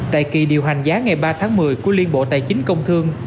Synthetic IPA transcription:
t̪a̰ː˧˨jki˨˩ɗi˨˩əwɦa˨˩jŋ̟zaː˨˦ŋa˨˩jɓaː˧t̪ʰaː˨˦ŋmɨ˨˩əjku˧˩əli˧ənɓo̰˧˨t̪a̰ː˧˨jt͡ɕï˨˦ŋ̟kə˧wŋ͡mt̪ʰɨ˧əŋ

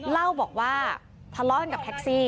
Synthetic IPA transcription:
la˥˩wbɔː˨˩k̚waː˥˩ | pʰa˧lɔː˥˩˨nka˨˩p̚t̪ʰɛ˦˥k̚siː˥˩

